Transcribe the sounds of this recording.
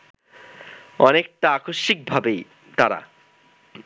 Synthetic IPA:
ɔnek̚ʈaakoʃːik̚bʱabej | t̪aɾa̰

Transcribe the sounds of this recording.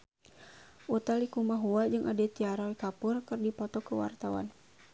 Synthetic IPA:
ut̪alikumaɦuad͡ʒɨŋʔadɛt̪iaɾɔikapʊrkɨrdipɔt̪ɔkəwa̰rt̪awa̰n

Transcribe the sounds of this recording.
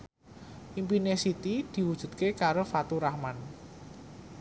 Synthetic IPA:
ʔimpinesit̪id̪̥i̤wud̥ʒ̥ṳd̪̚kekaɾofat̪uɾahman

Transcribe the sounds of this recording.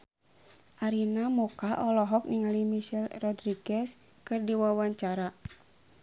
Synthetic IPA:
ʔaɾinamɔkaʔɔlɔɦɔk̚niŋalimiʃɛlrɔdɾiɡɛs | kɨrdiwawaɲt͡ʃaɾa

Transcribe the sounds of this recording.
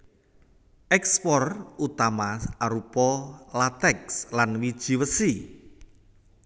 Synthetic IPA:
ʔɛkspɔrut̪amaaɾupɔlat̪ɛkslanwid̥ʒ̥i̤wəsi

